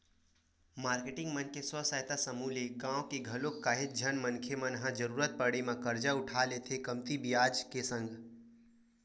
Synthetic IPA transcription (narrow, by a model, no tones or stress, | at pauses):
maːɾkeʈɪ̃ŋɡmənkeswəsaːjt̪asəmuleɡãːwkeɡʱəlokːaɦɪt̪̚d͡ʒʱənmənkʰemənɦãd͡ʒəɾuːɾət̪̚pəɽimãkəɾd͡ʒaʊʈʰalet̪ʰekəmt̪ibijaːd͡ʒkesə̃ŋɡ